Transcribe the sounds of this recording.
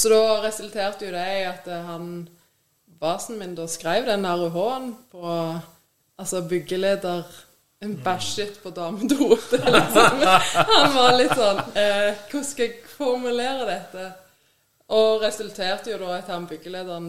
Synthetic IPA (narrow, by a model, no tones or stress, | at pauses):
sɔd̪ɔːʁɛsʉlt̪ʰeːʁt̪əjʊd̪æɪɑt̪ɦɑn | bɑːsn̩mɪnd̪oːskʁæɪʋd̪ɛnɑʁʊɦoːnpʰɔ | ɑlsɔbʏɡəleːd̪əʁ | ɛnbæʃɪt̪pʰɔd̪ɑːməd̪uːt̪lɪksɔmhɑnʋɑʁlɪt̪ːsɔnːkʰʊskɑɛɡfɔʁmʉleːʁəd̪ɛt̪ːə | ʔɔʁɛsʉlt̪ʰeːʁt̪əjʊd̪oːɑt̪hɑnbʏɡːəleːd̪əʁn